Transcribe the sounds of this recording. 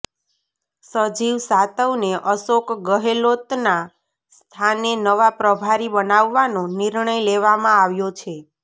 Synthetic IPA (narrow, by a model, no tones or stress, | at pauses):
səd͡ʒiʋsat̪əwneʔəsokɡəɦelot̪na | st̪ʰanenəʋapɾəbʱaɾibənaʋːanõniɾɳəjleʋamãaʋjot͡ʃʰe